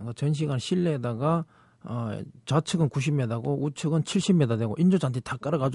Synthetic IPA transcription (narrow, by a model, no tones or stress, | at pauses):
ɡat͡ɕʌnɕ̬ʰiɡanɕʰiɭːedaɡa | ʌt͡ɕat͡ɕʰɯɡɯnkuɕ̬ʰimedaɡout͡ɕʰɯɡɯnt͡ɕʰiɭɕ͈imːedadeɡoʔind͡ʑod͡ʑantʰetak͈aɾaɡad͡ʑ